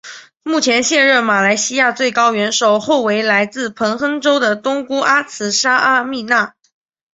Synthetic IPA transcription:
mu˥˩t͡ɕʰjɛ˧˥nɕjɛ˥˧nɻə˥˩nma˨˩la˧˥ɪɕi˥ja˥˧t͡swe˥˩ɪkɑ˥ʊɥɛ˧˥nʂo˨˩ʊxo˥˩ʊwe˧˥ɪla˧˥ɪt͡sɹ̩˥˩pʰɤ˧˥ŋxɤ˥ŋʈ͡ʂo˥ʊd̪ə˨t̪ʊ˥ŋku˥ʔa˥t͡sʰɹ̩˧˥ʂa˥ʔa˥mi˥˧na˥˩

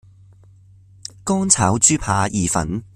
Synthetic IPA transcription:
kɔː˥ŋt͡sʰaː˨˥wt͡ʃyː˥pʰaː˧jʔiː˨˩fɐ̰˨˥n

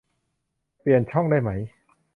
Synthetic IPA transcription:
pli˨˩ənt͡ɕʰɔ˥˩ŋdaː˥˩jma˦˥j

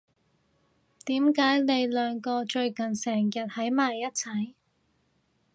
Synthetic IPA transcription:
t̪iː˨˥mkaː˨˥jle˨˧jlœː˨ŋkɔː˧t͡ʃɵ˧ɥkɐ˨˩nsɛː˨˩ŋjɐ˨t̚hɐ˨˥jmaː˨jːɐ˥t̚t͡sʰɐ˨˥j

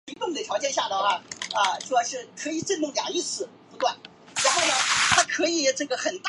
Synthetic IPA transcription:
i˧˥ŋpə˥˩ŋd̪ə˧˩ʈ͡ʂʰjɑ˧˥ʊt͡ɕjɛ˥˧nɕja˥˩d̪ə˩xa˥˩ə˧t͡ɕo˥˧ɑ˥˧ʂɻ̩˥˧kʰɤ˧˥i˨˩ʈ͡ʂə˥˧nmʊ˥˩ŋlja˨˩ŋi˥t͡sʰɹ̩˨˩ | pu˧˥t̪kwa˥˩n | ɻa˧˥nxo˥˩ʊnə˩t̪ʰa˥kʰɤ˧˥i˨˩˦ʈ͡ʂɤ˥˩ɡə˩xə˨˩nt̪

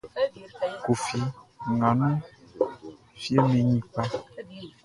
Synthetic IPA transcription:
ko˨fi˨ŋã˨nũ˦ | fi˦e˦mẽ˨ɲĩ˦k͡pa˦

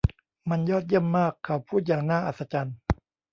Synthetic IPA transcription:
ma˧njɔː˥˩t̪̚ji˥˩əmːaː˥˩kʰːa˨˩wpʰuː˥˩t̪̚jaː˨˩ŋnaː˥˩ʔa̰˨˩t̪̚sa˧t͡ɕa˧n

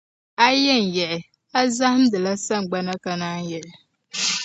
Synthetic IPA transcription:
a˦jɛ˦˨n˨jɛ˨l | a˦za˦hɪ˦m˦dɨ˨la˦sa˦˨ŋ˨ɡ͡ba˦na˦ka˨naː˦njɛ˨lɪ˨

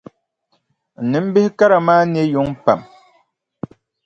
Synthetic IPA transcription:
n̩˨nɨ˨˦m̩˦bɨ˦hka˦ɾa˨maː˦n˦ɛ˦jo˦ŋ˦pa˨m

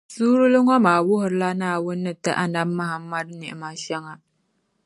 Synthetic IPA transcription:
suː˦ɾɨ˦lɨ˦ŋɔ˦maː˨wʊ˦ɦʊ˨ɾɨ˦la˦naː˦˨wʊ˦nːɨ˦˨tɨ˦ʔa˨na˦bːa˦ha˨mːa˦dnɪ˨ʔɪ̰˨ma˦ʃɛ˦ŋa˨

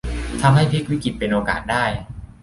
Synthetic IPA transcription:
t̪ʰa˧mɦa˥˩jpʰe˦˥k̚wi˦˥ki˨˩t̪̚pe˧nʔoː˧ka̰ː˨˩t̪̚daː˥˩j

